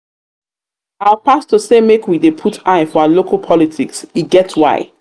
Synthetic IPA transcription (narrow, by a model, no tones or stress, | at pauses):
awapastəsemekwidepʰutʰaɪfɔalokʰalˠpʰɔlitʰiksiɡɛtswa̰ɪ